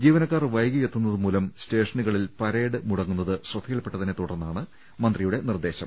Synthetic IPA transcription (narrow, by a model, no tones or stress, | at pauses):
d͡ʑiːʋɐnɐkːaːrʋɐjɡɐjet̪ːunːɐðɨmuːlɐmste̞ːʂɐɳiɣɐɭilpɐɾeːɽɨmuɽɐŋːunːɐðɨɕrɐd̪ʰʱːijɐɭpːe̞ʈːɐt̪ɐnːet̪uɽɐrnːaːɳɨ | mɐnd̪rijuɽe̞nird̪e̞ːɕɐm